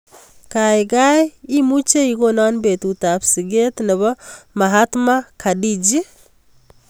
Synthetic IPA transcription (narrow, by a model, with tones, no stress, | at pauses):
kajɡajimu˦t͡ʃe˦iɡona˦nbe˨t̪ut̪apsɪɡe˦t̪nɛ˨βɔ˦mɐɦat̪ma˦kʰa˨di˦d͡ʒi˦